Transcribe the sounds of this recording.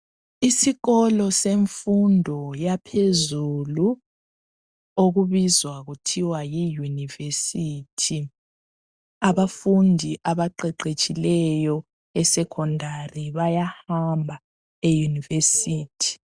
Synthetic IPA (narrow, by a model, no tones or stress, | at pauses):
isiɣɔlɔseɱfundʱɔjapʰezulu | oɣuβizwaɣutʰiwajijunivesiːtʰi | aβafundʱiʔaβaǃɛǃet͡ʃʼilɛjɔ | ɛsɛkʰɔndʱariβajahambʱa | ejunivesiːtʰi̥